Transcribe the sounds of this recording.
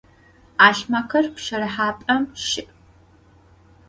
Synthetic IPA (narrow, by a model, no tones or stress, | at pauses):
aːɬmɐkʰɐrpʃɐrɐħaːpʼɐmʃɪpʼ